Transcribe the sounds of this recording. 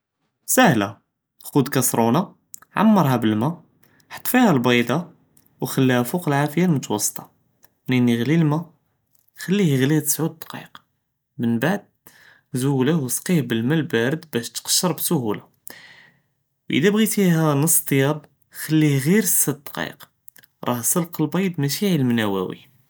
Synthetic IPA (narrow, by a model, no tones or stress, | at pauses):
sæhlæ | xud̪kæsɾˤuna | ʕa̰mːɑɾˤɦæbəlmæ | ħɑ̥t̪ˤːfihælbɑjd̪ɑ | wxælːihæfuqəlʕafəjalmʊt̪wɑsˤːt̪ˤɑ̥ | mnənːiɣlilmæ | xælːihɣliht̪ə̥sʕud̪̚d̪qɑ̰q | mənbaʕd̪̚ | zuhlæhwsqihbəlmælbæɾəd̪bæʃt̪qɑ̥ʃːəɾˤbsʊhula | wʔə̰d̪æbɣit̪ihænəsˤːt̪ˤːjæb | xælːihɣiɾəsːæd̪̚d̪qɑ̰q | ɾˤɑhsəlqəlbɑjd̪mæʃiʕilmnæwæ̰wḭ